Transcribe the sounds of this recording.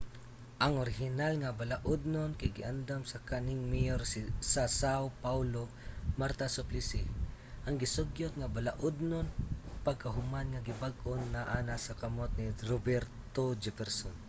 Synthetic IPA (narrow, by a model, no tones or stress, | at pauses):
ʔɐŋoɾɪɦɪnalŋabalaʔʊd̪̚nonkaɡɪʔand̪amsɐkanɪŋmijoɾssasawpawlo | maɾt̪asoplɪsɪ | ʔɐŋɡɪsʊɡjʊt̪̚ŋabalaʔʊd̪̚nonpɐɡ̚kɐɦʊmanŋaɡɪbaɡʔonːaʔanasɐkɐmot̪̚nɪɾobɛɾtt̪od͡ʒɛpɛɾson